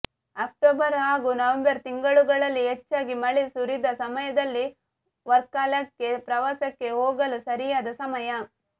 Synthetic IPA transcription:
ɐk̚ʈoːbɐɾaːɡunɐʋɐmbɐɾt̪iŋɡɐɭuɡɐɭɐlːiet͡ʃːaːɡimɐɭisuɾid̪ɐsɐmɐjɐd̪ɐlːi | ʋɐɾkaːlɐkːe̞pɾɐʋaːsɐkːe̞ɦoːɡɐlusɐɾijaːd̪ɐsɐmɐjɐ

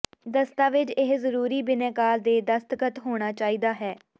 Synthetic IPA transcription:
d̪əst̪aːʋɪt͡ʃɪɦzəɾuːɾiːbɪnẽːkaːld̪eːd̪əst̪əkət̪ɦoːɽ̃aːt͡ʃaːiːd̪aːɦɛː

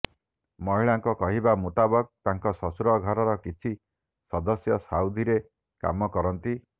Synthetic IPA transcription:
mɔɦiɭaŋkɔkɔɦibamut̪abɔk̚t̪aŋkɔsɔsuɾɔɡʱɔɾɔɾɔkit͡ʃʰi | sɔd̪ɔsjɔsawd̪ʱiɾe | ka̰mɔkɔɾɔnt̪i

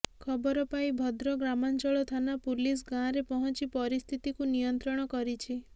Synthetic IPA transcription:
kʰɔbɔɾɔpaĩbʱɔd̪ɾɔɡɾamant͡ʃɔɭɔt̪ʰanapulis̬ɡãɾepɔɦɔnt͡ʃipɔɾist̪ʰit̪ikunijɔnt̪ɾɔɽ̃ɔkɔɾit͡ʃʰi

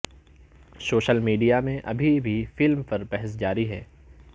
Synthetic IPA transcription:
soːʃəlmiːɖijamẽʔɐ̰bʱibʱifɪlmpɐɾpɛɦɛs̬d͡ʒaːɾiɦɛː

